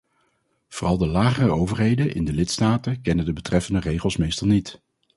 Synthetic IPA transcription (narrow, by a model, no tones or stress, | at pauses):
v̥oːrɑlˠdəlaːχərəowvərɦejdənʔɪ̰ndəlɪtstaːtəkɛnədəbətrɛfəndərejχəlˠsmejstɑlˠnit